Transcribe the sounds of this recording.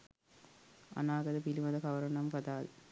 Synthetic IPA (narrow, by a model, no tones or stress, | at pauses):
ʔɐ̰naːɣɐðɐpiliʋɐðɐkɐʋɐɾɐɳɐmkɐðaːl